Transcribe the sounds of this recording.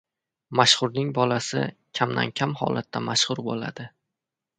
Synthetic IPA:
maʃχʊɾnɪŋbɒlasɪ̰kʲʰamd̪a̰nkʲʰamhɒ̰lˠat̪ʰːamaʃχʊɾbola̰d̪ɪ

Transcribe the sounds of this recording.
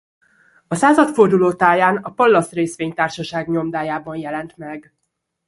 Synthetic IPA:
ɒsaːzɒt̪fo̞rd̪uloːt̪aːjaːnɒpɒlːɒsreːsʋeːɲt̪aːrʃɒʃaːɡɲo̞md̪aːjaːbɒnjɛlɛnt̪mɛɡ

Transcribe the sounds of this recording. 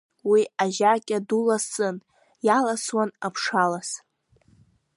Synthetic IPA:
wiaʒakʲʼadulasɨn | jalaswana̰pʰʂalas

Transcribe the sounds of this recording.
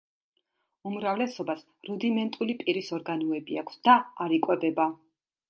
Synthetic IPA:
umɾavlɛsɔbas | ɾud̪imɛnt̪ʼulipʼiɾisɔɾɡanɔɛbiakʰsd̪̥aːɾikʼwɛbɛba

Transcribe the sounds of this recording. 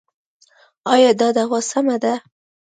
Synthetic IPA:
ɑjɑd̪ɑd̪awɑsamad̪a

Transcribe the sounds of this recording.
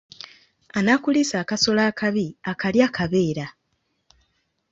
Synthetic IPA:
anakulisaːkaso̞laːkʰaβiakaljaːkʰaβe̞ːɾa

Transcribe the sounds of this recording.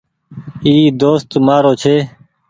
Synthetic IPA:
iːd̪oːst̪maːɾoːt͡ʃʰeː

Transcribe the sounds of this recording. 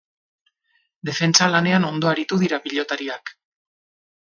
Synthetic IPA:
d̪e̞fe̞nt͡salane̞ano̞nd̪o̞aɾit̪uðiɾapiʎo̞t̪aɾiak

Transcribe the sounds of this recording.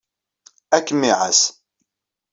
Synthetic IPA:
ækːmiʕa̰s

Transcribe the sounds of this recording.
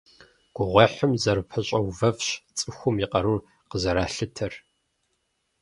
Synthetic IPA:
ɡ̥ʷʊʁʷɔħəmzɐrɨpʰɐɕʼɐwvɐvɕt͡sʼɨxʷʊmiqɐɾuːr | qəzɐɾaːɬɨtʰɐr

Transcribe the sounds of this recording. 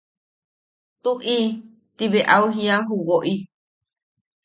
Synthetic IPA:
t̪uʔi | t̪iβeʔawɦiaɦuwoʔi

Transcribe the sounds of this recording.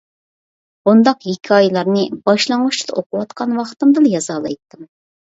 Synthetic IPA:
b̥und̪ɑqjikʲʰiɑjlˠɑɾnɨbɑʃlˠɑŋut͡ʃʰi̥d̪ɑoqʊwɑt̪qʰɑnwɑχt̪ɨmd̪ɨljɑzɑːlˠɑ̰jt̪ːɨm

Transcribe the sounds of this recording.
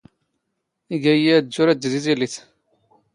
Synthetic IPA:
iɡæjiæd͡ʒːʊɾæd̪ːðiziliθ

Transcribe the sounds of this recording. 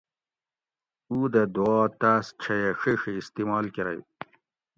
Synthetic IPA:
uːd̪ɐd̪uɑːt̪ast͡ɕʰɐjeʂiʂiːst̪imɑːlkiɾɐ̰j

